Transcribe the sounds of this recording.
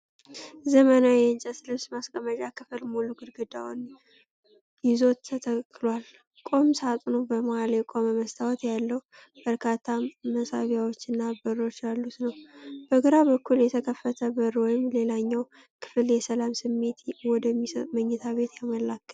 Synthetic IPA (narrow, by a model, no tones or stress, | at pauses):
zəmənawjɛnt͡ʃʼəslɨmsmaskʼəməʒakʰɨfɨlmoluɡɨɾɡɨd̪awn | jɪzo̞t̪ʰːət̪ʰəkːɨlwal | kʼo̞msat̪ʼunubəmoaljɛkʼo̞məməst̪ʰawɔt̪jalːəhwu | b̥əɾkʰat̪ʰːaməsaβjawot͡ʃːɨnːabɨrːo̞t͡ʃːjalːut̪nəwb̥əɡɨɾabəkʰːuljɛt̪ʰəkʰəfːət̪ʰəbɨɾwɔjɪmle̞laɲːaw | kʰɨ̥fljɛsəlamsɨmːe̞t̪wɔd̪əmːisət̪ʼməɲːɛt̪ʰaβe̞t̪jaməlakʰːət̪